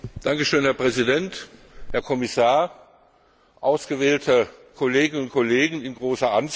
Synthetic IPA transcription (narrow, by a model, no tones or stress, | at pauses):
d̥aŋkəʃøːnhɛːɐpʁ̥ɛzidɛnt | hɛːɐkʰɔmɪsaːɐ | ʔaʊsɡ̥əvɛːltʰəkʰoleːɡɪnʊnt̚kʰoleːɡŋ̩ɪnɡʁoːsɐʔans